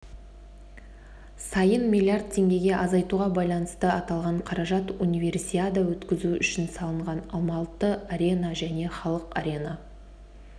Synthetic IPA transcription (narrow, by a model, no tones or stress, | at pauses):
sɑjənmʲilʲiard̪̚t̪ʲʰːe̞ŋɡʲe̞ɡʲe̞ʔɑzɑjt̪uʁɑbɑjlˠɑnəst̪əɑt̪ɑlˠʁɑɴqʰɑɾɑʒɑt̪unijve̞rsiad̪awɵt̪kʲɪzuʏʃɪnsɑlˠəɴʁɑnɑlˠmɑlˠət̪ːəaɾʲe̞naʒæne̞χɑlˠəqɑɾʲe̞na